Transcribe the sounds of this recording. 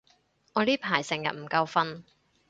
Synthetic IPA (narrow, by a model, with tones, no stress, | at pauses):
ŋɔː˨˧liː˥pʰaː˨˩jsɪ˨ŋjɐ̰˨t̚m̩˨˩kɐ˧wfɐ˥n